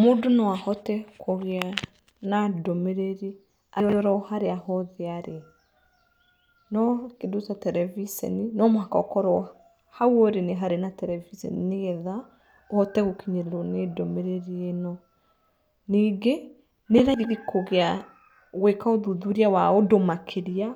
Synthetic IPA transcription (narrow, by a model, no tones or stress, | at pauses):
modonɔwahɔtɛkʰoɣea | nadɔmeɾeɾi | aɾɛɾɔɾɔɔhaɾeaɦɔðeaɾe | nɔkedosatɛɾɛvisɛ̰ninɔmwakaɔkɔɾɔ | hawɔɾeneɦaɾenatɛɾɛvisɛ̰nineɣɛða | ɔtɛɣokiɲeɾeɾɔnedɔmeɾeɾienɔ | niɡe | neɾaɣiɾikoɣea | ɣwekaoðuðuɾiawaodomakʰeɾia